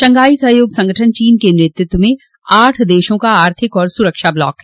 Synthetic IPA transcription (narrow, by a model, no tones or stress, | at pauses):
t͡ʃɐ̃ŋɡaːisɐɦjoːɡsɐ̃ŋɡəʈʰənt͡ʃiːnkenɾɪt̪ɪt̪wmẽ | aːʈʰd̪eːʃõkaaːɾt̪ʰɪkɔːɾsʊɾəkʃablɔ̰ːkɦɛː